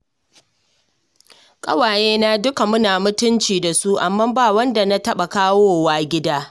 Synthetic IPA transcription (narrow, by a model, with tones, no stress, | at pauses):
kʼɐ̰˦waː˨jeː˦na˦dʊ˦ka˨mʊ˦naː˨mʊ˦tʊ˦nt͡ʃiː˨da˨su˦ʔa˨mːɐ˦mbaː˦˨wɐ˦nda˨na˦tɐ˦ɓa˨kaː˦woː˦waː˦ɡʲɪ˦daː˦